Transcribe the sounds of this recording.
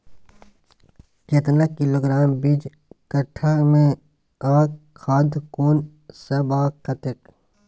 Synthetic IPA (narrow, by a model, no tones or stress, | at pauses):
ket̪nakɪloːɡɾaːmbid͡ʒ | kɐʈʰːamẽ | aːkʰaːd̪koːn | sɐbaːkɐt̪ɪk